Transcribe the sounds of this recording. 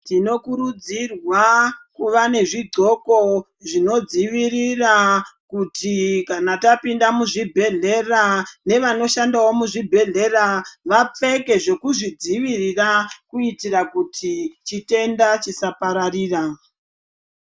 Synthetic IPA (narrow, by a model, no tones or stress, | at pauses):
tino̞kuɾud͡zirwakuʋane̞ʐiɡo̞ko̞ | ʐino̞d͡ziʋirirakutikanatapindamuʐibʱe̞ɮe̞rane̞ʋano̞ʃandawo̞muʐibʱe̞ɮe̞raʋap͡fe̞ke̞ʐe̞kuʐid͡ziʋirirakuitirakutʰit͡ʃite̞ndat͡ʃisapaɾariːra